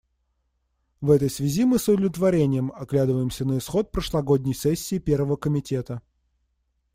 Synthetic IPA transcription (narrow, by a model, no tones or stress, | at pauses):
vɛt̪əjsvʲɪzʲimɨsʊd̪əvlʲɪt̪vɐɾʲenʲɪjəmɐɡlʲad̪ɨvəjɪmsʲənəɪsxo̞t̪̚pɾəʂlˠɐɡo̞dʲnʲɪjsɛsʲːɪːpʲe̞rvəvəkəmʲɪtʲe̞t̪ə